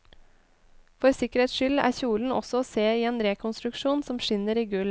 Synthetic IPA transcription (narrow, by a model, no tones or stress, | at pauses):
fɔɾsɪkəɾeːt̪sʃʏlæ̰ːɾçuːln̩ɔ̰sɔoːseːiːeːnɾeːkʰʊnst̪ɾʉkʃuːnsɔmʃɪnəɾiːɡʉl